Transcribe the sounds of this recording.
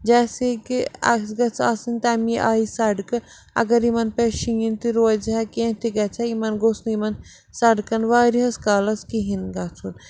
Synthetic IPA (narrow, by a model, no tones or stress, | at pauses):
d͡ʒaːsekiɐ̰sɡɐt͡sʰaːsɨnt̪aːmiʔaːisɐɖkɨ | ɐ̰ɡɐɾimɐnpeʃijint̪iɾoːzɦɛkẽt̪iɡɐt͡sʰaimɐnɡoːsnimɐn | sɐɖkɐnʋaːɾiɦɐskaːlɐskiɦinɡɐt͡sʰun